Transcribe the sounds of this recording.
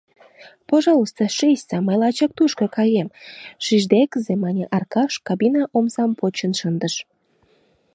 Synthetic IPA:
poʒɑləst̪oʃesʲsɑməjlɑt͡ɕɑk̚t̪uʃkokɑjemʃiʒd̪ekəzemɑnʲeʔɑrkɑʃkɑbinɑʔomzɑmpot͡ɕənʃənd̪əʃ

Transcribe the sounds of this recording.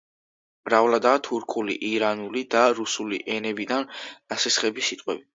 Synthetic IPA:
mɾavlad̪aːt̪ʰuɾkʰʼulḭʔiɾanulid̪aɾusulḭʔɛnɛbid̪anasɛsχɛbisit̪ʼqʼwɛbi

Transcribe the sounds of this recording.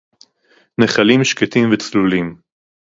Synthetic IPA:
neχalimʃket̪imvet͡slulim

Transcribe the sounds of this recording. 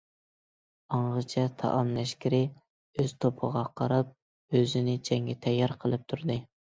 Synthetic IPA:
ɑɴʁət͡ʃʰɛt̪ʰɑ̰ʔɑmlɛʃkʲiɾɪ | øz̥t̪ʰopʰəʁɑqʰɑɾɑp̚ | øzɪnɪt͡ʃʰɛŋɡʲɛt̪ʰɛjːɑɾqʰəlˠɨp̚t̪ʰuɾd̪ɨ

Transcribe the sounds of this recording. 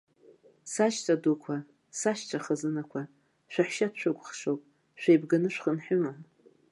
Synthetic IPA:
saʃtʰadukʷʰa | saʃtʰaχəzɨnakʷʰa | ʃʷᶣaħʃatt͡ʃʷᶣaɡʷχʂowpʼ | ʃᶣʷejbɡanɨʃᶣχənħʊma

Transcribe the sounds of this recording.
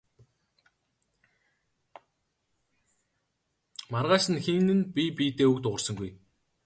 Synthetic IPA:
marʁaːʃɘ̆nxeŋnɘ̆npʲipʲiːt̪eːukt̪ʊʁə̆rsə̆ŋɡuj

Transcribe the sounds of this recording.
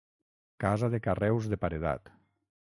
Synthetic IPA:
kazaðekarɛwzðepaɾeða̰t̪

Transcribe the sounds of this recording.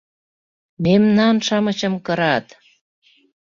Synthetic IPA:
memnɑnʃɑmət͡ɕə̆mkɤɾɑt̪

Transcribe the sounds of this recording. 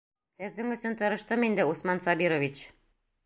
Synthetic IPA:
hɘ̆ðːɘŋɵ̆sɵnt̪ɤ̆ɾɤ̆ʃt̪ɤmind̪ɘusmɑnsɑbiɾovʲit͡ɕ

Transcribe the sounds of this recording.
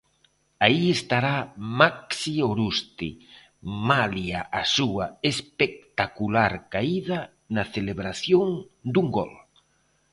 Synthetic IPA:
aiest̪aɾamaksioɾust̪ḭ | maljaʔasuaespek̚t̪akulaɾkaiðɐ | nɐθeleβɾaθjoŋd̪uŋɡɔ̰l

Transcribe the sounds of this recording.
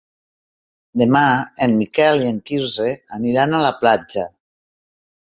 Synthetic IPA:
d̪emaenmikɛlieŋkizeaniɾanalaplad͡ʒa

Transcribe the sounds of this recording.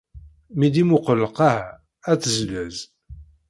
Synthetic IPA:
mid̪imʊqəlːəqahæ | æt͡sːəzlæz

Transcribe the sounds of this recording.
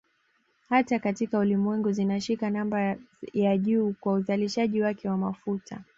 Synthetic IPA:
hatakatikaulimwɛŋɡuzinaʃikanambajaʄuːkwauzaliʃaʄiwakɛwamafutʰa

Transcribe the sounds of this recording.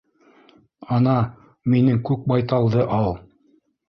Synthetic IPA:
ɑnɑ | minɘŋkʉk̚bɑjt̪ɑlˠd̪ɤʔɑlˠ

